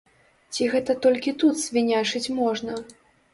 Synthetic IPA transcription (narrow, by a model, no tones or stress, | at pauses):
t͡sʲiɣɛt̪ɐt̪ɔlʲkʲit̪ut̪z̥ʲvʲinʲat͡ʂɨt͡sʲmɔʐnɐ